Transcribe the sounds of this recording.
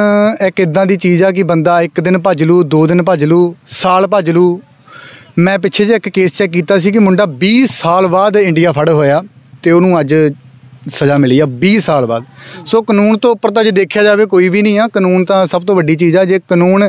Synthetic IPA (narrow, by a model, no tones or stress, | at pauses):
ɛːkɪd̪ãːd̪iːt͡ʃiːzaːk̬ɪbənd̪aːɪkd̪ɪnpəd͡ʒluːd̪oːd̪ɪnpəd͡ʒluːsaːlpəd͡ʒluː | mɛ̃ːpɪt͡ʃʰeːd͡ʒeɪkkeːst͡ʃɛːkiːt̪aːsiːkɪmʊɳɖaːbiːssaːlbaːd̪ɪɳɖijaːpʰəɽɦoːjaːt̪eːonũːəd͡ʒ | səd͡ʒaːmɪliːaːbiːsaːlba̰ːd̪soːkənuːnt̪õːʊpːəɾt̪ãːd͡ʒeːd̪eːkʰjaːd͡ʒaːʋeːkoːiːbiːnĩːaːkənuːnt̪ãːsəb̚t̪õːʋəɖiːt͡ʃiːzɛːd͡ʒeːkənuːn